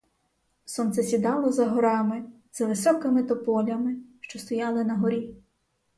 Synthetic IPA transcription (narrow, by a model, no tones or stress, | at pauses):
sɔnt̪sɛsʲid̪ɑlˠɔzɐɦɔɾɑmɪ | z̥ɐʋɪsɔkɪmɪt̪ɔpɔlʲɐmɪʃt͡ʃɔst̪ɔjɑlˠɪnɐɦɔɾʲi